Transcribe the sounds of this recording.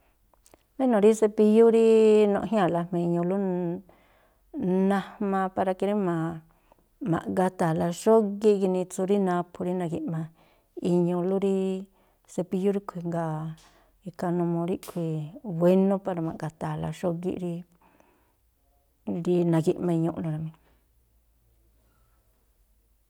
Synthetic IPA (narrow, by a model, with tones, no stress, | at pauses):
ɾi˦nõ˨ɾi˦se˧pi˧ju˦ɾi˦nõ̰˧ʔɦĩ˦ã˦˨la˧mẽ˧ɲũ˧lu˦ | nã˧mã˧pa˧ɾa˧ki˧ɾi˦mã˨ | mã̰˨ʔŋɡa˧t̪a˨la˧ʃo˦ɣi˦ʔki˧nĩ˧t͡su˧ɾi˦nã˧pʰu˧ɾi˦nã˧ɣi˧ʔmã˧ | i˧ɲũ˧lu˦ɾi˦ | se˧pi˧ju˦ɾi˦kʰʷi˧ŋɡa˧ | i˧ka˧nũ˧mõ˧ɾi˦kʰʷi˧βʷe˧nũ˦pa˧ɾa˧mã˨ʔɡa˧t̪a˨la̰˧ʃo˦ɣḭ˧ʔɾi˧ | ɾi˧nã˧ɣi˧ʔmã˧i˧ɲõ˧ʔũ˧ɾa˧mĩ˧